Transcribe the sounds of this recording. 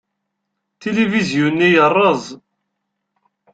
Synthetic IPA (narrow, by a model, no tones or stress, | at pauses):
t̪elivizjunːijərˤːəzˤ